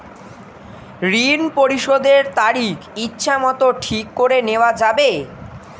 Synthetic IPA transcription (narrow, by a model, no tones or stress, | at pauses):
ɾinpoɾiʃod̪eɾt̪aɾikʰitːɕʰamɔt̪oʈʰikːoɾeneoad͡ʑabe